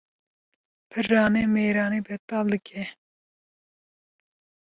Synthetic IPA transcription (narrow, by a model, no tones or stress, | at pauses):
pʰɨrɑːneːmeːɾɑːneːbɛt̪ɑːld̪ɨkʰɛ